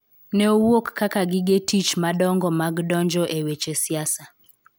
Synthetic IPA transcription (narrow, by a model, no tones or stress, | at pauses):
nɛowokːakaɡɪɡetit͡ʃmaɗɔŋɡɔmaɡɗɔɲd͡ʒɔʔewet͡ʃesiasa